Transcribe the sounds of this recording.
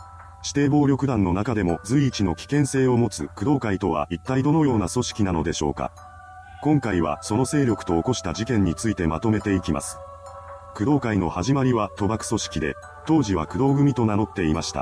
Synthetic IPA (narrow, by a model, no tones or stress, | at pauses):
ɕi̥t̪e̞ːbo̞ːɾʲo̞kɯ̟d̪ãnːo̞nakad̪e̞mo̞d͡zɨiːt͡ɕino̞kʲi̥kẽ̞ɰ̃se̞ːo̞mo̞t͡sɨkɯ̟d̪o̞ːkait̪o̞βa̰ʔit̪ːaid̪o̞nojo̞ːnaso̞ɕi̥kʲinano̞d̪e̞ɕo̞̰ːka̰ | kõ̞ŋkaiβ̞a̰so̞no̞se̞ːɾʲo̞kɯ̟̥t̪o̞ːko̞ɕi̥t̪aʑikẽ̞ɲ̟ːit͡sɨit̪e̞mat̪o̞me̞t̪e̞ikʲima̰sɨ̥ | kɯ̟d̪o̞ːkaino̞̰haʑimaɾʲiβat̪o̞bakɯ̟̥so̞ɕi̥kʲid̪e̞̰ | t̪o̞ːʑiβ̞akɯ̟d̪o̞ːɡɯ̟mʲit̪o̞naɾo̞t̪ːe̞imaɕi̥t̪a̰